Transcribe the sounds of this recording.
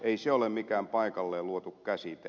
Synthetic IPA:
eiseolemmikæːmpɑikɑlːeːluot̪ukkæsit̪æ

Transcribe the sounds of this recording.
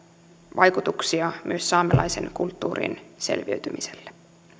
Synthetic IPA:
ʋʔɑjkut̪uksiɑmʔyøsːɑːmelɑjse̞̰nkult̪ːuːrḭnse̞̰lʋiø̰ɥt̪ymiselːe̥

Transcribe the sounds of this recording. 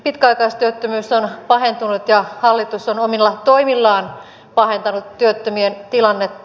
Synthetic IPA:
pit̪kæɑikɑist̪yøt̪ːømyːsonpɑhent̪unut̪jɑhɑlːit̪usonomilːɑt̪oimilːɑːn | pɑhent̪ɑnut̪ːyøt̪ːømient̪ilɑnːet̪ː

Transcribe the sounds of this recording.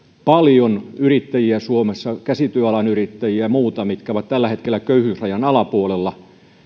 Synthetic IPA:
pɑljonyrit̪ːæjiæsuomesːɑkæsit̪yøɑlɑnyrit̪ːæjiæmuːt̪ɑmit̪kæoʋɑt̪t̪ælːæhet̪kelːækøyhyːsrɑjɑnɑlɑpuolelːɑ

